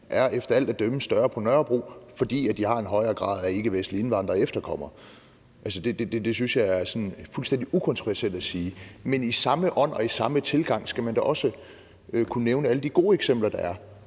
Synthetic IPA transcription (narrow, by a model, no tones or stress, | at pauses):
ʔæɐefd̥ɐæl̰d̥æd̥øməsd̥ɶːɐpʰɒ̽nɶɐb̥ʁo̝̰ːfɒ̽d̥ḭːæd̥ihɑ̈e̝nɦɒ̽ɪɐːɡ̥ʁɑ̰̈ːðˠæɐe̝ɡ̥əʋesnlie̝nʋɑ̈n̰d̥ʁɐefd̥ɐkʰɒ̽m̰ɐ | ʔælsəd̥e̝d̥ed̥ed̥e̝synsjɑ̈ɪæɐsɒ̽nfulsd̥end̥iʔukʰɒ̽nt͡sʰʁoʋæɐseld̥æsiːmenisɑ̈məʔɒ̽n̰ɒ̽isɑ̈mət͡sʰe̝lɡ̥ɑ̈ŋ̰sɡ̥æmænd̥ɒʔɒ̽sə | økʰunəneʊnəæləd̥iɡ̥o̝̰ːeɡ̥sem̰b̥lɐd̥ɑ̈æɐ